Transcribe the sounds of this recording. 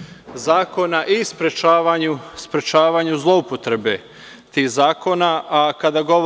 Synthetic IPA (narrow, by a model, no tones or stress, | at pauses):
zaːko̞naʔispɾet͡ʃaːʋaɲuspɾet͡ʃaːʋaːɲuzlˠo̞upot̪ɾe̞be̞ | t̪ihzaːko̞ːnaakad̪aɡo̞